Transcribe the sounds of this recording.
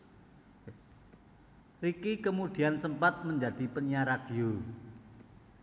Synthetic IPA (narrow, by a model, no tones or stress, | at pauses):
rikikəmud̪̥i̤ansəmpat̪̚məɲd͡ʒad̥ipəɲaɾad̥i̤o